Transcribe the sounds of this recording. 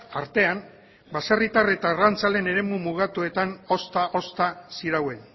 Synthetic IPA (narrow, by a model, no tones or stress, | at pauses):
aɾt̪e̞an | basarit̪aret̪arant͡sale̞ne̞ɾe̞mumuɣat̪ue̞t̪ano̞st̪aʔo̞st̪asiɾawe̞n